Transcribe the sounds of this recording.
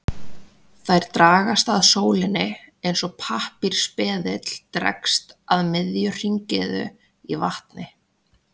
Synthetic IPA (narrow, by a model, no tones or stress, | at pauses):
θajɾ̥t̪ɾaːɣast̪aðsoːwlɪnɪejnsɔɣpʰahpiɾ̥spɛːðɪt̪l̥t̪ɾɛ̰kst̪aðmɪðjʏr̥iɲcɪðʏ̰ | ivaht̪nɪ